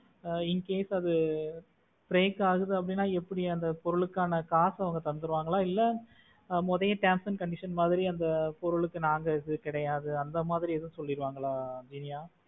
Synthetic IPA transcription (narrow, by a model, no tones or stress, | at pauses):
ɪŋkeːsɐðɯ | pɾeːkaːɣɯðɯɐpːɐɽɪnːaːɛpːɐɽiɐnd̪ɐpɔɾɯɭɯkːaːnɐkaːsɐʋɐŋɡɐt̪ɐnd̪ɯɾɯʋaːŋɡɐɭaːɪlːɐ | mɔðɐjɐʈaːmsɐnkɐɳɖɪʂɐnmaːðɪɾiɐnd̪ɐpɔɾɯɭɯkːɯnaːŋɡɐɪðɯkɪɽɐjaːðɯɐnd̪ɐmaːðɪɾiɛðɯ̃sɔlːɪɾɯʋaːŋɡɐɭaːd͡ʒɪnɪjaː